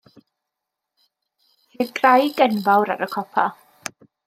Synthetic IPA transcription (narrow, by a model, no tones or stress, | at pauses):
hɛdɡrajɡɛnvawɾa̰ɾəkʰɔpʰa